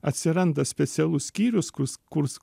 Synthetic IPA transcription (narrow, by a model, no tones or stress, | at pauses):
ɐt̪ʲsʲɪɾɐnd̪ɐsʲpʲɛt̪sʲɛlˠʊssʲkʲiːɾʲʊskkʊɾs